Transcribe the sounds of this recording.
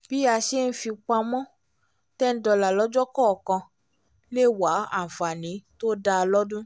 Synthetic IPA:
b̥i˦a˧ʃe˦n̩˦fi˧k͡pa˧mɔ̃˦ | tɛ˦n̩˦dɔ˧la˨lɔ˨˦d͡ʒɔ˦kɔ˦˨kã˧ | le˦˨wa˨˦a˦˨fa˨nĩ˨˦to˦da˧lɔ˦dũ˦

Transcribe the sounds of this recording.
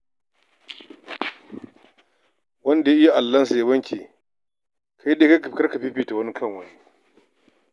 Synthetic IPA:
wɐ˦nda˨ja˦ʔɪ˦ja˦˨ʔa˨lːɐ˦ns̬a˨ja˦bɐ˦ŋkʲʰi˨ | kʰa˦jɗe˦ka˦kkɐ˦ɾkɐ˨ɸi˦ɸiː˦ta˨wɐ˦ni˦kʰɐ˦ŋwa˨ji˦

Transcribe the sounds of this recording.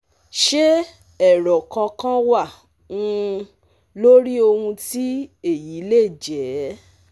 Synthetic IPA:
ʃe˦ | ɛ˨ɾɔ˨kã˧kã˦wa˦˨ | ũ˦˧ | lo˦ɾi˦o˧hũ˧ti˦e˦˨ji˨˦le˦˨d͡ʒɛ˨˦

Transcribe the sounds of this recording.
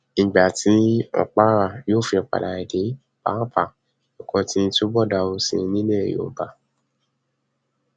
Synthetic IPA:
n̩˨ɡ͡ba˨ti˨˦ɔ̰˨k͡pa˦ɾa˦˨joː˦˨fi˧ɔ˨k͡pa̰˨da˨ɛ˨de˨˦ | ba̰˨˦pʰa˦˨ | ɔ˨kɔ̃˧tĩ˦˧to˦bɔ˦˨da˧o˧sḭ̃˧nĩ˦le˦e˨jo̰˨˦ba˨

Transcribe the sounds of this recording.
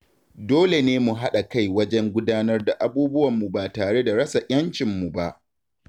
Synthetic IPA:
doː˦le˨neː˦mu˨ɦa˦ɗa˨ka˦˨jwɐ˦d͡ʒɛ˦ŋɡʷʊ˦daː˦nɐ˦rda˨ʔa˨buː˦bʊ˦wɐ˨mːu˨baː˨taː˨ɽe˦da˨ɽɐ˦sa˨ʔʲɐ˦nt͡ʃɪ˨mːu˨ba˦ʔ

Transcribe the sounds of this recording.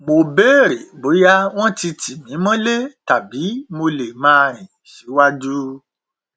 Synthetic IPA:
mo˧be˦˨ɾe˨bo˨˦ja˦w̃ɔ̃˦ti˧tʰi˨mĩ˨˦mã˦le˦ta˨bi˨˦mo˧le˨mãː˦˧ɾ̃ĩ˨ | ʃe˨˦wa˦d͡ʒu˦

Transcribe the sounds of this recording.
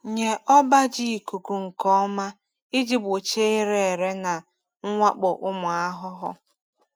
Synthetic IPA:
ɲe˨ʔɔ˦ba˦d͡ʒi˦˨ku˨ku˨ŋ̩˨kɔ˦ma˦ | i˦d͡ʒi˦bo˨t͡ʃe˦ɪ˦ɾe˨e˨ɾe˦na˨ | ŋ̩˦ŋʷa˦k͡pʊ˨ʔʊ˦mʊ˨a˦ɦʊ˦ɦʊ˦

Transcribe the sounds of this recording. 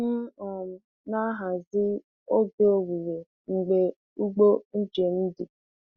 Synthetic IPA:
n̩˦ɔ˨m̩˨ | na˦ɦa˨zɪ˦ | o˦ɡe˦o˦ɡʷu˨ɾe˨ | ŋ͡m̩˨ɡ͡be˨ | u˦ɡ͡bo˦n̩˦d͡ʒe˨n̩˦di˨

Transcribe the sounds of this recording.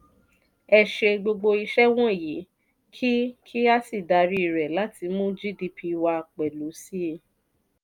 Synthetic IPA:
ɛ˧ʃe˧ɡ͡bo˧ɡ͡bo˧i˧ʃɛ˦w̃ɔ̃˦e˨ji˨˦ | kʰi˦kʰi˦a˦si˦˨da˨˧ɾi˦˨ɾɛ˨la˨˦ti˧mũ˦d͡ʒi˦di˧pʰi˧wa˧k͡pɛ˨lu˨˦si˦e˧

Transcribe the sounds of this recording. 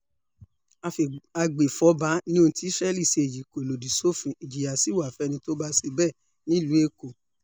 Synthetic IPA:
a˧fa˧ɡ͡be˨fɔ˨˦ba˨˦nĩ˦õ˧tʰi˦ʃɛ˦li˦˨se˧e˨d͡ʒi˨ko˨lo˨di˨so˦˨fĩ˨i˨d͡ʒi˨ja˨si˨˦wa˨fɛ˦˧nĩ˧to˦ba˦se˧bɛ˦˨ | nĩ˦˨lu˨˦e˦ko˨

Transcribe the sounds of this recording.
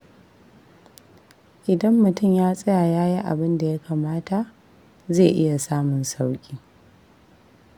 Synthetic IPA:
ʔɪ˨dɐ˦mːʊ˨tʊ˦˨mjaː˦sʼɐ˦jaː˨jaː˦ji˦ʔa̰˨bɪ˦nda˨ja˦kʰaː˨maː˦ta˨ʔ | zeː˦˨ʔɪ˦ja˨saː˦mʊ˨nsa˦wkʲʼiː˦

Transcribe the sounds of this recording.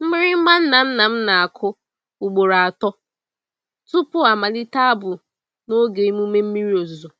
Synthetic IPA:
m̩˦mɪ˦ɾɪ˦ma˦n̩˦na˨n̩˦na˨m̩˦na˨a˨kʰʊ˦ | u˨ɡ͡bo˨ɾa˨a˨tɔ˦ | tu˦pʊ˦a˨ma˨li˦ta˦a˦bʊ˨ | no˦ɡe˨i˦mu˦me˦m̩˦mi˦ɾi˦o˨zzo˨

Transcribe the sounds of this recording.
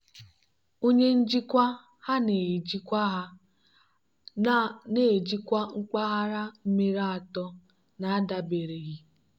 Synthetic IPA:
o˦ɲe˦n̩˦d͡ʒi˦kʷa˦ | ha˦ne˨d͡ʒi˦kʷa˦ɦa˦ | ne˨d͡ʒi˦kʷa˦ŋ͡m̩˦k͡pa˦ɦa˦ɾa˦m̩˦me˦ɾa˦˨a˨tɔ˦ | na˨˦a˦da˨be˨ɾe˨ɣi˦

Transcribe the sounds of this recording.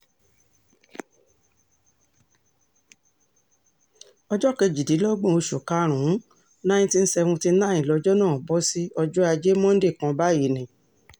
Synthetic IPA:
ɔ˧d͡ʒɔ˦kɛ˧d͡ʒi˨di˨˦lɔ˦ɡ͡bɔ̃˦o˧ʃo˨ka˦ɾ̃ũ˨˦ | nã˦ĩ˦tĩ˦n̩˦sɛ˧wũ˧ti˧n̩˦nã˦ĩ˨lɔ˧d͡ʒɔ˦nãː˦˨bɔ˦si˦ɔ˧d͡ʒɔ˦a˧d͡ʒe˦mɔ̃˦n̩˦de˦˨kã˧ba˦ji˨nĩ˨

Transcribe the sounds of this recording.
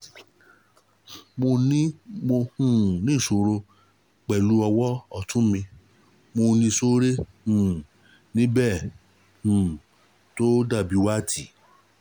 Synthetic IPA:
mo˧nĩ˦mo˧hũ˦˨nĩ˦˨so˨ɾo˧ | k͡pɛ˨lu˨˦ɔ˧wɔ˦ɔ˦˨tũ˦mĩ˧ | mo˧nĩ˧so˦ɾe˦hũ˨ | nĩ˦bɛ˦˨ | hũ˨ | to˦da˦˨bi˨˦wa˦˨tʰi˨

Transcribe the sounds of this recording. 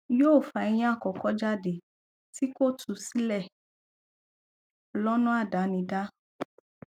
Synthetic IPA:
joː˦˨fa˨˧ɛ˧j̃ĩ˦a˦˨kɔ˨kɔ˦d͡ʒa˦˨de˨ | ti˦ko˦˨tʰu˨˧si˦lɛ˦˨ | lɔ˦nũ˦a˦˨da˨˦nĩ˧da˦

